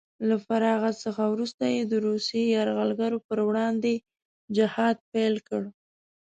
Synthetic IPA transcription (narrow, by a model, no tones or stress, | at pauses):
lafaɾɑɣasəxawɾust̪ajed̪əɾusjejɑɾɣalɡaɾopəɾwɽɑnd̪e | d͡ʒɪhɑd̪̚pajlkəɽ